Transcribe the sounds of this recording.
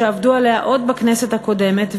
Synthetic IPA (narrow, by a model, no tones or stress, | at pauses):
eavdualeaʔo̞d̪baknese̞t̪hako̞de̞me̞t̪v